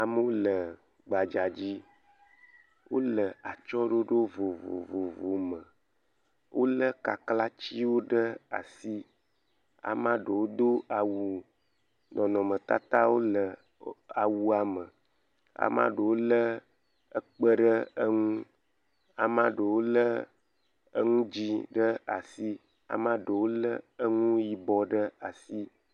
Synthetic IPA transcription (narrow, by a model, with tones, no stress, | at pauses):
a˨mə˦wo˦lə˨ | ɡ͡ba˨d͡ʒa˨d͡ʑi˦ | wo̰˦lə˨a˨t͡ʃɔ˦ɖo˦ɖo˦vo˨vo̰˨vo˨vo˨mə˨ | wʔo˦lə˦ka˨kla˦t͡ɕi˦wo˦ɖə˦a̰˨si˦ | a̰˨mã˦ɖə˨wo˦d̪o˦a˨wu˨ | nɔ̃˨nɔ̃˨mə̃˨t̪a˦t̪a˦wo˦lə˨ | a˨wu˨a˨mə̃˨ | a̰˨mã̰˦ɖə˨wo˦lə˦ | ə˦k͡pə˦ɖə˦ə˦ŋũ˦ | a̰˨mã˦ɖə˨wo˦lə˦ | ŋũ˦d͡ʑi˦ɖə˦a̰˨si˦ | a̰˨mã˦ɖə˨wo˦lə˦ə˦ŋũ˦ji˨bɔ˨ɖə˦a˨si˦